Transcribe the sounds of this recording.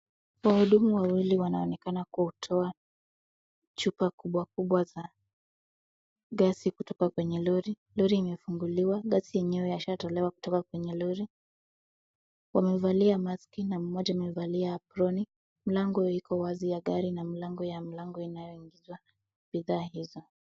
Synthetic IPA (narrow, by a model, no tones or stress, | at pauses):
wahuɗumuwawiliwanaɔnɛkanakuhutʰɔa | t͡ʃupakuɓwakuɓwaza | ɠasikutɔkakwɛɲɛlɔɾi | lɔɾiːmɛfuŋɡuliwaɠasijɛɲɛɔjaʃatɔlɛwaku̥tɔkakwɛɲɛlɔɾi | wamɛvaliamaskinam̩mɔʄamɛvaliaːpɾɔni | m̩laŋɡɔikɔwazijaɠaɾinamilaŋɡɔjamilaŋɡɔinajɔiŋɡizwa | ɓiðaːhizɔ